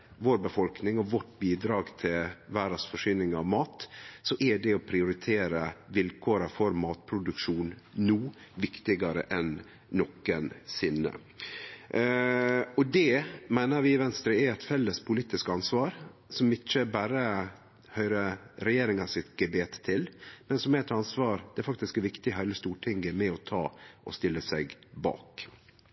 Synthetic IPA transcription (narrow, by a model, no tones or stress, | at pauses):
ʋoːɾbəfɔlknɪŋɔʋɔʈbiːd̪ɾɑːɡt̪ʰɪlʋæːɾɑsfɔʂɪnɪŋɑʋmɑːt̪sɔʔɛɖɛɔpʰɾɪʊɾɪt̪ʰeːɾəʋɪlkʰoːɾɑfɔɾmɑːt̪pʰɾʊd̪ʉkʂuːnnuːʋɪkt̪ɪɡɑɾə̰ʔɛnː | ɔkːənsɪnːə̰ | ɔd̪ɛmæɪnəɾʋɪɪʋɛnst̪ɾəæɛt̪fɛlːəspʰʊliːt̪ɪskɑnsʋɑːɾsɔmɪt͡ʃːəbæːɾə | hœʏɾəɾɛjeːɾɪŋɑsɪt̪ɡɛbeːt̪ʰːɪlmɛnsɔmɛɛt̪ɑnsʋɑːɾd̪̥ɛæɾfɑkt̪ɪskɛʋɪkt̪ɪhæɪləst̪uːʈʰɪŋɡəmɛɔt̪ʰɑːʔɔ̰st̪ɪlːəsæɡbɑ̰ːk